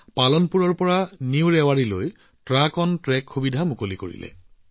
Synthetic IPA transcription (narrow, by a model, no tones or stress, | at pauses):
palɔnpuɹɔɹpɔɹaniwɹɛwaɹiloj | tɹakɔntɹɛkʰxubidʱamukolikoɹḭlɛ̰